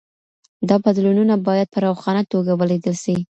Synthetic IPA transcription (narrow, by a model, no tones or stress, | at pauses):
d̪ɑbad̪lununabɑjad̪̚pəɾawxɑnat̪oɡawəled̪əlʃi